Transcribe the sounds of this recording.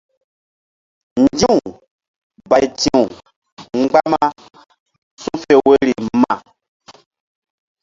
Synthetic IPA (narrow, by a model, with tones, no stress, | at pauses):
ɲd͡ʒĩ˦ũ˨ | ba˨jtĩ˦˨ũ˨ | ŋ͡mɡ͡ba˦ma˦ | sũ˦fe˨we˦ɾi˨mã˨